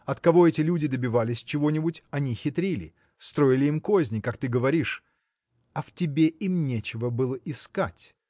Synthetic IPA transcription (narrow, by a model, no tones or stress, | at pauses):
ɐt̪kɐvo̞ɛtʲɪlʲudʲɪd̪əbʲɪvalʲɪsʲt͡ɕɪvo̞nʲɪbʊtʲɐnʲixʲɪt̪ɾʲilʲɪ̰ | st̪ɾo̞ɪlʲɪimko̞zʲnʲɪkakt̪ɨɡəvɐɾʲiʂ | ɐftʲɪbʲeʔimnʲet͡ɕɪvəbɨlˠəʔɪskatʲ